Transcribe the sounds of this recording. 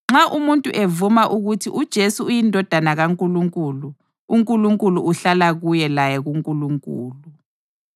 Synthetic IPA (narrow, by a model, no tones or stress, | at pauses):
ŋ͡ǁaʔumuntʼuʔevumaʔuɣutʰiʔud̥ʒ̥ʱesuujindʱɔd̥ʱanaɣaŋkʼuluŋkʼuːlu | uŋkʼuluŋkʼuluʔuɬalaɣujɛlajɛɣuŋkʼuluŋkʼṵːlu